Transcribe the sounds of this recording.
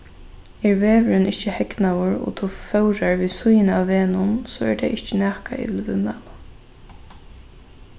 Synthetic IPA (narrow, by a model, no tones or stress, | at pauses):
ɛɹveːvɾɪnɪht͡ʃəhɛknaʊɹo̰ːt̪ʰʊfœwɾaɹviːsʊjɪnaʋːeːnʊnsoːɛ̰ɹd̪ajʔɪht͡ʃənæːka̰ʔɪ̰lvɪmɛl